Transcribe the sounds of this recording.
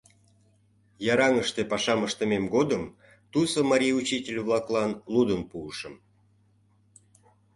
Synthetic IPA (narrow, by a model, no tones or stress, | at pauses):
jɑɾɑŋəʃt̪epɑʃɑməʃt̪ə̆memɡod̪əm | t̪usəmɑɾʲijut͡ɕitʲelʲβlˠɑklˠɑnlud̪ənpuːʃəm